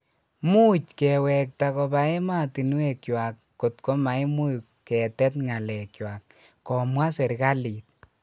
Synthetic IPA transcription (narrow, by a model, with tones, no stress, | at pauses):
mu˦t͡ʃkɛ˨wɛ˨k̚ta˧kɔ˧ba˨e˦ma˦ti˨n˦we˨kjwa˨kːo˨tkɔ˦ma˨jmu˦j | kɛ˨tɛ˦tŋa˨lɛ˨kjwa˨kː | ɔ˨mwa˦se˨ɾka˦liː˨t̚